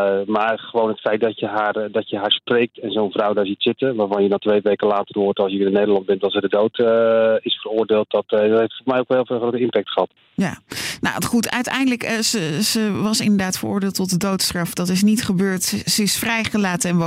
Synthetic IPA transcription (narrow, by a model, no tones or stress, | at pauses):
maːɹχəʋownɦətfɛjt̚dɑtjəɦaːrdɑcjəɦaːɹsprejk̚tɛnzownvrawdaːɹzitsɪtənʋaːɹvɑnjənɔtʋejʋejkəlaːtərɦʊːtɑlˠsjəinənejdəlɑnd̚bɛntɑlˠsədədowtɪsfərʊːɹdɪːlˠt̚dɑtdɔtɦeftfɔːmɛjokɦɪlˠvχrowtəɪmpɛk̚tχəɦɑt | jana̰χutœ̰ɥtɛ̰jndələkəzəʋɑsɪndəɹdaːtfərʊ̰ːɹdɪːlˠtɔt̚dədowtstrɑfdɑtɪs̬nitχəbøːɹtsəɪsfrɛjχəlaːtəɛnʋo